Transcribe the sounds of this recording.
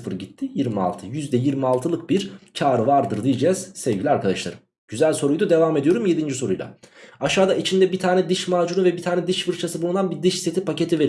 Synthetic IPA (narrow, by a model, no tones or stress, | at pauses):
ɯfɯɾɟit̪ʰːijiɾmia̰lˠt̪ʰɯjyzd̪ɛjiɾmialˠt̪ʰɯlˠɯk̚biɾt͡ʃʰaːɾɯvaɾd̪ɯɾd̪ijed͡ʒɛz̥sɛvɟilʲiaɾkʰad̪aʃlˠa̰ɾɯm | ɟyzælʲso̞ɾujd̪ad̪e̞vaːme̞d̪ijo̞ɾumje̞d̪ind͡ʒiso̞ɾujlˠa̰aʃaːd̪ait͡ʃʰind̪ɛbit̪ʰaːnɛd̪ɯʃmaːd͡ʒunuvɛbit̪ʰaːnɛd̪ɯʃfɯɾt͡ʃʰasɯbulˠud̪anbid̪ɯʃise̞t̪ʰipace̞t̪ʰiveɾ